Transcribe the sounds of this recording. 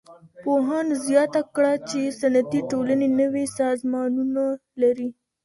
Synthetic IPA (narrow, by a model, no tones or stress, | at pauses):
poɦɑnzjɑt̪akɽat͡ʃesanat̪iʈolanenəwesɑzmɑnunalaɾi